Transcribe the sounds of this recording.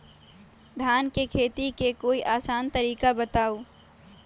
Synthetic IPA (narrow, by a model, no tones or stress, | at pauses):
d̪ʱaːnkekʰeːt̪ikekoːiʔaːsaːnt̪əɾiːkabət̪aːu